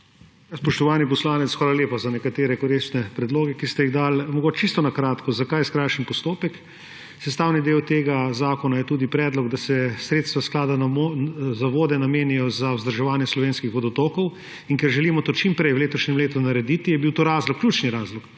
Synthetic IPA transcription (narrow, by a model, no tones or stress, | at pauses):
jaspɔʃt̪ɔʋaːnip̬ɔslaːnɛt̪sxʋaːɾaleːpazanɛkat̪eːɾɛkoɾist̪nɛpɾɛd̪loːɡɛkist̪ɛjiɣd̪almɔɡoːt͡ʃt͡ʃist̪ɔnakɾaːt̪kɔzakajskɾajʃənpɔst̪oːpɛk | sɛst̪aːwnid̪eːwt̪eːɡazaːkɔnajɛt̪uːd̪ipɾɛːd̪lɔɡd̪asɛsɾeːt̪st̪ʋasklaːd̪anaozaʋoːd̪ɛnameːnijɔzawzd̪əɾʒɛʋaːnjɛslɔʋeːnskixʋɔd̪ɔt̪oːkɔw | iŋkɛɾʒɛlimɔt̪oːt͡ʃimpɾɛjwleːt̪ɔʃɲɛmleːt̪unaɾɛd̪it̪ijɛbiwt̪oːɾaːzlɔkːljuːt͡ʃniɾaːzlɔk